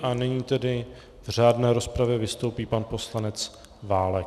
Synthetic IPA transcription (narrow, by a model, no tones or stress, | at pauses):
ʔanɪɲiːt̪ɛdɪ | vr̝aːdnɛːɾo̞spɾavjɛvɪst̪owpiːpanpo̞slanɛt͡s | vaːlɛk